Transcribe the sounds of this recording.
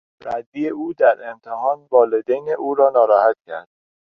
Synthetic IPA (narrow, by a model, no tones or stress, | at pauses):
ɾæd̪ːijeuːd̪æɾe̞mt̪ʰeɦɒːnvɒːled̪ejneʔuːɾɒːnɒːɾɒːhæt̪̚cʰæ̰ɾd̪̥